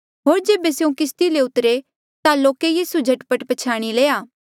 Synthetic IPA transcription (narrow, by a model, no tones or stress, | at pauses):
ɦoːɾd͡ʒeːbesjũkɪst̪ileʊt̪ɾe | t̪aloːkejiːsud͡ʒʱɐʈpəʈpət͡ʃʰaːɽ̃ileːaː